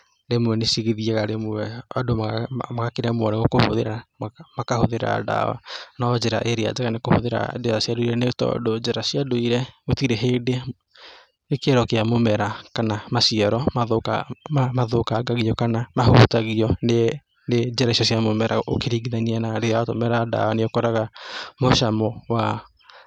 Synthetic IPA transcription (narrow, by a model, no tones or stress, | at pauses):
ɾemuɛnesiɣiðiɛɣaɾemuɛadommaɣakeɾɛmwɔɾɛɣokoho̰ðeɾamakahoðeɾa̰da̰a̰nɔd͡ʒɛɾa̰ʔeɾea̰d͡ʒɛɣanekoho̰ðeɾa̰deðasiadoiɾɛnetɔ̰dod͡ʒɛɾasiadoiɾɛmotiɾeɦede | nekeɾɔkeamomɛɾakanamasiaɾɔmaðokamaðokaɡaɣiɔkanamahuːtaɣiɔne | ned͡ʒɛɾaisiɔsiamomɛɾʔao̰keɾiɡiðaɲianaɾeaotomɛɾada̰waneokɔɾaɣamoʃamɔwa